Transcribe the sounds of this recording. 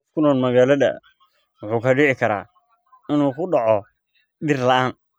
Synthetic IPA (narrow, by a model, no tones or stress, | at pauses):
fkʰʊnɔːnmɐɣaːlɐðɐ̰ | wʊħuːkʰɐɖɪʕɪkʰɐɾa̰ː | ɪnuːkʰʊɖɑʕɔ | ɖɪrlɐʔaːn